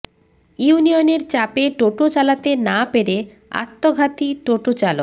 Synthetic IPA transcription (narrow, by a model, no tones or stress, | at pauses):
unioneɾt͡ɕapeʈoʈot͡ɕalat̪enapeɾe | a̰t̪ːoɡʱat̪iʈoʈot͡ɕalok